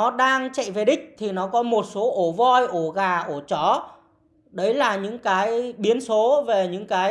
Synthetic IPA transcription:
ɔ˨˦ɗaː˧ŋt͡ɕə̰˧˨jve˨˩ɗï˦˥k̟̚t̪ʰi˨˩nɔ˨˦kɔ˨˦mo˨˩t̚so˨˦ʔo˧˩vɔ˧jʔo˧˩ɣaː˨˩ʔo˧˩t͡ɕɔ˨˦ | ɗə˨˦jlaː˨˩ɲɨ̰˧˥ŋkaː˨˦jɓi˨˦ənso˨˦ve˨˩ɲɨ̰˧˥ŋkaː˨˦j

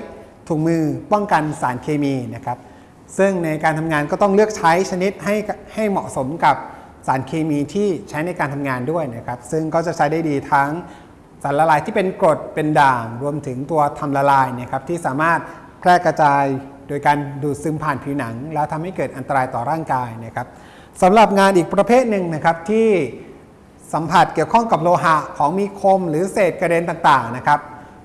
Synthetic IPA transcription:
t̪ʰuː˨˩k̚mɯː˧pɔ˥˩ŋka˧nsaː˩˦nkʰeː˧miː˧na˦˥kʰa˦˥p̚ | sɯ˥˩ŋna˧jkaː˧nt̪ʰa˧mŋaː˧nkɔː˥˩t̪ɔ˥˩ŋlɯ˥˩ək̚t͡ɕʰa˦˥jt͡ɕʰa˧ni˦˥t̪̚ɦa˥˩jha˥˩jmɔ̰˨˩ʔso˩˦mka˨˩p̚ | saː˩˦nkʰeː˧miː˧t̪ʰiː˥˩t͡ɕʰa˦˥jna˧jkaː˧nt̪ʰa˧mŋaː˧ndu˥˩əjna˦˥kʰa˦˥p̚sɯ˥˩ŋkɔː˥˩t͡ɕa˨˩t͡ɕʰa˦˥jdaː˥˩jdiː˧t̪ʰa˦˥ŋ | saː˩˦nla˧laː˧jt̪ʰiː˥˩pe˧nko˨˩t̪̚pe˧ndaː˨˩ŋɾu˧əmt̪ʰɯ˩˦ŋt̪u˧ɐt̪ʰa˧mla˧laː˧jni˥˩ɐkʰa˦˥p̚t̪ʰiː˥˩saː˩˦maː˥˩t̪̚ | pʰɾɛː˥˩kɾa˧t͡ɕaː˧jdoː˧jkaː˧nduː˨˩t̪̚sɯ˧mpʰaː˨˩npʰiː˧na˩˦ŋlɛː˦˥t̪ʰa˧mha˥˩jkɤː˨˩t̪̚ʔa˧nt̪a˧ɾaː˧jt̪ɔː˨˩ɾaː˥˩ŋkaː˧jna˦˥˩kʰa˦˥p̚ | sa˩˦mɾa˨˩p̚ŋaː˧nʔiː˨˩k̚pɾa˧pʰeː˥˩t̪̚nɯ˨˧ŋna˦˥kʰa˦˥p̚t̪ʰiː˥˩ | sa˩˦mpʰa˨˩t̪̚ki˨˩əwkʰɔ˥˩ŋka˨˩p̬̚ɾoː˧ɦa˦˥kʰɔː˩˦ŋmiː˧kʰo˧mɾɯː˩˦seː˨˩t̪̚ka˧deː˧nt̪aː˨˩ŋt̪aː˨˩ŋna˦˥kʰa˦˥p̚

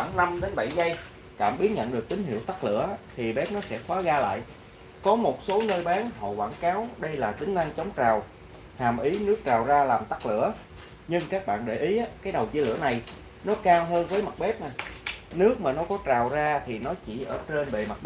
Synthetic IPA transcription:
a˧˩ŋna˧mɗe˨˦nɓa˧˩jza˧j | ka̰ː˧˩mɓi˨˦ənɲə̰˧˨nɗɨ˨˩ək̚t̪ï˨˦ŋ̟ɦḭ˧˨əwt̪a˦˥k̚lɨ̰˧˥ət̪ʰi˨˩ɓe˦˥p̚nɔ˨˦sɛ̰˧˥fwaː˨˦ɣaː˧la̰ː˧˨j | kɔ˨˦mo˨˩t̚so˨˦nəː˧jɓaː˨˦nho̰˧˨kwaː˧˩nkaː˨˦wɗə˧jlaː˨˩t̪ï˨˦ŋ̟za˧ŋt͡ɕə˨˦wŋ͡mt͡ɕaː˨˩w | haː˨˩mʔi˨˦nɨ˦˥ək̚t͡ɕaː˨˩wzaː˧laː˨˩mt̪a˦˥k̚lɨ̰˧˥ə | ɲɨ˧ŋkaː˦˥k̚ɓa̰ː˧˨nɗe˧˩ʔi˨˦ʔaː˨˦kaː˨˦jɗə˨˩wzi˨˦lɨ̰˧˩əna˨˩j | nɔ˨˦kaː˧wɦəː˧nvəː˨˦jma˨˩t̚ɓe˦˥p̚na˨˩nɨ˦˥ək̚maː˨˩nɔ˨˦kɔ˨˦t͡ɕaː˨˩wzaː˧t̪ʰi˨˩nɔ˨˦t͡ɕi˧˩ʔəː˧˩t͡ɕe˧nve˨˩ma˨˩t̚

